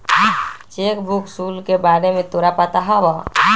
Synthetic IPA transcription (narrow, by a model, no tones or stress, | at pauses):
t͡ʃeːkbʱuksuːlkebaːɾemẽt̪oːɾapaːt̪aɦaʋa